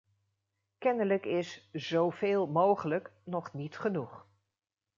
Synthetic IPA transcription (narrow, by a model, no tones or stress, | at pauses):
kɛnələkɪsz̥owveːlˠmowχələknɔχnitχənuχ